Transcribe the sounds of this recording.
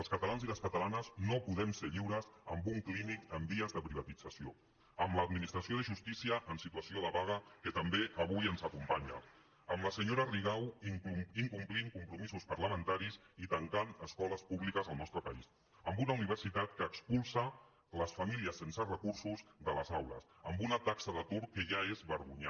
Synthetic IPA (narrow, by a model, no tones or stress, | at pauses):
əlˠskət̪alanziləskət̪əlanəznopuðɛmseʎiwɾəzəmbuŋklinikəmbiəzðəpɾiβ̞ət̪id͡zəsio | əmləːd̪minist̪ɾəsioðəʒust̪isiəʔnsit̪uəsioləβaɣəkət̪əmbeʔəβ̞ujənzəkumpaɲə̰ | əmləsəɲoɾəriɣaw | iŋkumpliŋkumpɾumizuspəɾləmənt̪aɾisit̪əŋkanəskɔləspuβlikəzəlˠnɔst̪ɾəpəis | əmbunauniβəɾsit̪at̪kəːkspulˠsə | ləsfamiliəsːensərəkuɾsuzðələzawlə̰səmbunət̪aksəðət̪uɾkəʒaezβəɾɣuɲa